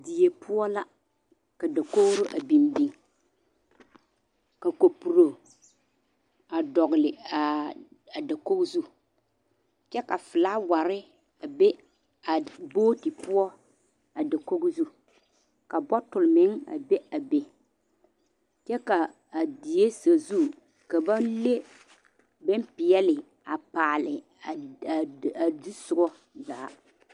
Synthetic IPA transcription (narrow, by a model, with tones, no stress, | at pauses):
di˨e˨pʰʊ˦ɔ˦la˦ | ka˨da˨ko˦ɣɾo˦ʔa˨bi˨nbi˨ŋ | ka˨ko˨pu˨ɾo˨ | a˨dɔ˨ɣɪ˨lɪ˨a˨ | a˨da˨ko˦ɡzu˦ | t͡ʃɛ˦ka˨fɪ˨laː˦wa˨ɾɪ˦ | a˨be˦ | a˨boː˦ti˨pʊ˦ɔ˦ | a˨da˨ko˦ɣzu˦ | ka˨bɔ˦tʊ˨lmɪ˦ŋa̰˨be˦a˨be˨ | t͡ʃɛ˦kaː˨ | di˨je˦sa˨zu˦ | ka˨ba˦le˦ | bɪ˦m˦pɪ˨jɛ˦lɪ˨ | a˨paː˨lɪ˨ | a˨di˦sʊ˨ɡɔ˦ | zaː˨˦